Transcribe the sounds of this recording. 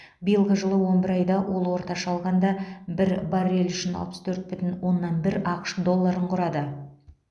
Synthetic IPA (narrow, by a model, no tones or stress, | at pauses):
bijəlˠʁəʒəlˠəwo̞nbɪɾɑjd̪ɑwʔo̞lˠwo̞ɾt̪ɑʃɑlˠʁɑnd̪ɑbɪɾbɑɾe̞lʏʃɪnɑ̰lˠpəst̪ʰɵɾt̪̚bɪt̪ɪnwo̞nːɑnbɪɾɑqə̥ʃd̪o̞lˠːɑɾəɴqʰʊɾɑd̪ə